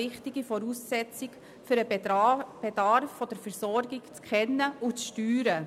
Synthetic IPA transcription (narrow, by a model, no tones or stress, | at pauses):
ɪχtiɡifɔɾuːsːɛt͡sɪk | fʏɾə | b̥ɛdɑɾfːɔd̥əɾfəɾsɔɾɡɪkt͡skʰɛnːəʊt͡sʃtyːɾə